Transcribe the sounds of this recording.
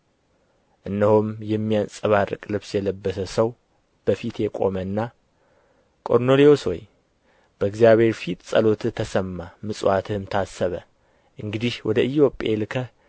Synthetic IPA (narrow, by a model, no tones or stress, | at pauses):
ʔɨnːəhomjɛmːijansʼɨβarɨ̰kʼlɨβsjɛləbːəsəsəw | b̥əfit̪jɛkʼo̞mənːa | kʼo̞ɾnolio̞swo̰j | b̥əɨɡzijaβhe̞ɾfit̪ʼsʼə̰lo̞t̪t̪ʰːəsəmːamɨsʼwat̪ʰɨhɨmt̪ʰasːəβə | ʔɨŋɡɨd̪ihwɔd̪əʔɨjo̞pʼeelɨkʰə